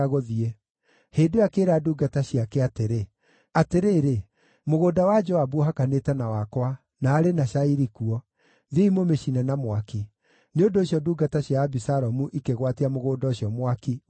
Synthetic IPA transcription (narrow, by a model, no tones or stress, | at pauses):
ɣoðiɛ | heːndoakeːɾaduːɡataɕiakɛateɾe | ateɾeːɾe | moɣoːdawad͡ʒɔabuɦakanetɛnawakwa | naːɾenaʃaiɾikuɔ | ðeimomeʃinɛnamwaki | neondoːɕjɔduːɡataɕjaːbisaɾɔmuʔikeɣwatiamoɣoːdɔɕjɔmwaki